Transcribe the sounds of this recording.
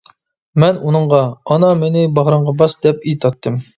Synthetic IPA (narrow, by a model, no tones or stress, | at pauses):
mɛnunəɴʁɑɑnɑmɪnɪbɑʁɾɑɴʁɑbɑsd̪ɛp̚it̪ʰɑt̪ʰːɨm